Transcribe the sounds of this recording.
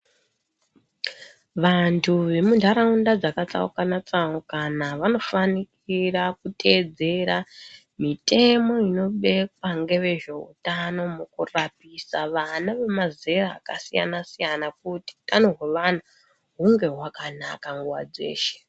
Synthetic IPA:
ʋantʰuʋe̞mundʱaɾaundad͡zakat͡sa̰ukanat͡sawokanaʋano̞fanikiɾakutʰe̞d͡ze̞ɾa | mitʰe̞mo̞ino̞ɓe̞kwaŋɡe̞ʋe̞ʐe̞ṵtano̞mukurapisaʋanaʋemaze̞ɾa̰ːkasija̰nasijanakuti̥tanoɦeʋana | ɦuŋɡe̞ɦwakanakaŋɡuwa̰d͡ze̞̰ːʃe̥

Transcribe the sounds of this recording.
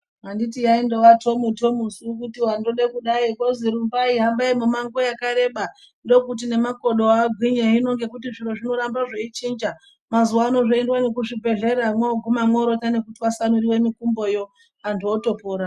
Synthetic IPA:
ɦandit̬ijaindowato̞muto̞musukutiwanroɗekuɗaikoziɾumbaiɦambaimumaŋɡo̞jakaɾe̞ɓa | ndo̞kut̬ine̞mako̞ɗoaːɡʱwiɲeɦino̞ŋɡe̞kutiʐiɾoʐino̞ɾambaʐeit͡ʃiːnd͡ʒa | mazuwaːno̞ʐoendwanekuʐibʱe̞ɮe̞ɾamweoɡʱumamwoɾo̞tane̞kutiwasanuɾiwe̞mikumbo̞jo̞ | andioto̞poːɾa

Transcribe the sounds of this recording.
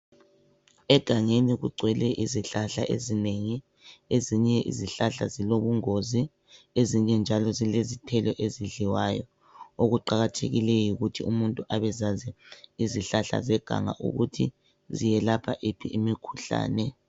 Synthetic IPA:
ɛɡ̥ʱaŋeniɣṵɡ͡ǀʱwɛlɛʔiziɬaɬaʔezineŋi | eziɲɛʔḭziɬaɬa̰ziloβuŋozi | eziɲɛnd͡ʒʱalɔzilezitʰɛlɔʔeziɮiwaːjɔ | oɣuǃaɣatʰḛɣilɛjiɣutʰiumuntʼuʔaβɛzazɛiziɬaɬa̰zɛɡ̥ʱa̰ŋa̰ʔṵɣutʰḭ | zijɛlapʰa̰ʔepʰiʔimikʰuɬa̰ːnɛ

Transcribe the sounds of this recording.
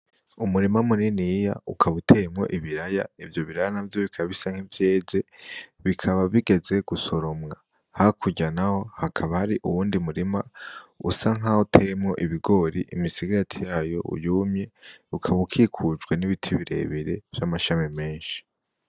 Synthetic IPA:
umuɾimamuninija̰ukʰaβutʰe̞mŋo̞̰ʔiβiɾaja̰ivjo̞βiɾajanavjo̞βikʰaβisaŋ̥hivje̞ːze̞βikʰaβaβiɡe̞ze̞ɡ̥uso̞ɾo̞mŋa | hakʰuɟanaho̞hakʰaβahaɾiʔṵwuːndimuɾimaṵsaŋɦautʰe̞mŋo̞̰ʔiβiɡo̞ɾiʔimisiɡatʰijaːjo̞̰ṵjumɲe̞ukʰaβukʰikʰud͡ʒɡwe̞niβitʰiβiɾe̞̰βiɾe̞v̥jamaʃamime̞ːnʃi̥

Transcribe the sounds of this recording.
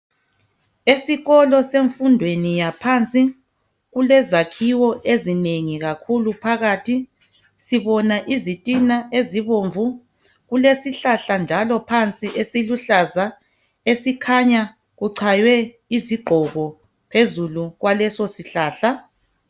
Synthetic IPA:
esiɣɔlɔseɱfundʱwenijapʰant͡sʼi | ɣulɛzakʰiwɔʔezineŋiɣakʰulupʰaɣaːtʰi | siβɔnaʔizitʼinaʔeziβoːɱvu | ɣulesiɬaɬand͡ʒʱalɔpʰant͡sʼiʔesiluɬaza | esikʰaɲa | ɣuǀʰajwɛ | iziɡ͡ǃʱɔɣɔ | pʰezuluɣwalɛsosiɬaːɬa

